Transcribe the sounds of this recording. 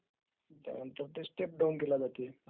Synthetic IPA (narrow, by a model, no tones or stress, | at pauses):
t̪ja̰mənt̪əɾt̪esʈep̚ɖawnkelad͡zat̪ie